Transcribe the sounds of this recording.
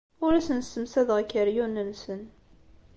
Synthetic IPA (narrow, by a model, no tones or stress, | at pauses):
ʊɾæsənsəmsæðʁəkːəɾjunːənsən